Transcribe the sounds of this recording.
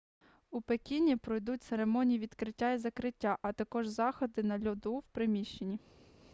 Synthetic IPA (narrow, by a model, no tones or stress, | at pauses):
upekʲinʲːipɾɔjd̪utʲt̪seɾe̞mɔnʲijiʋʲid̪kɾɪtʲːaizɐkɾɪtʲːaʔɐt̪ɐkɔʒzɑxɔd̪ɪnɐlʲɔd̪uwpɾɪmʲiʃt͡ʃenʲːi